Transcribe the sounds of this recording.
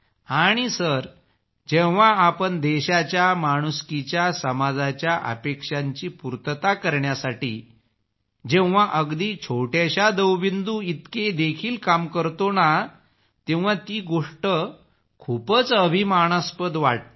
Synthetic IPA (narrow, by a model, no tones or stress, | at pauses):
aɽ̃isəɾ | d͡ʑewʋaapəɳd̪eɕat͡ɕjamaɽ̃uskit͡ɕjasəmad͡zat͡ɕjaʔə̰pekʂaɲt͡ɕiːpuɾt̪ət̪akəɾɳjasaʈḭː | d͡ʑẽʋʋaʔəɡd̪iːt͡ɕʰoʈjaɕad̪əwʋind̪uit̪ked̪ekʰiːlkamkəɾt̪ona | t̪ẽʋ̃ʋat̪iːɡoʂʈə | kʰupət͡səbʱimaɳ̃əspəd̪ʋaʈ̚